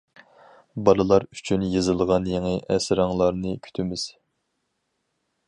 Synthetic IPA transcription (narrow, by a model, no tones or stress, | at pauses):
bɑlˠɨlˠɑɾyt͡ʃʰynjɨzɨlˠʁɑnjeŋɨʔɛsɾɑŋlˠɑɾnɨkʲʰy̥t̪ʰymɪz̥